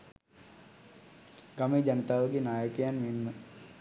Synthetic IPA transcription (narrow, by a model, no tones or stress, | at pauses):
ɡɐmid͡ʒɐnət̪aːʋəɡinaːjəkijanminmə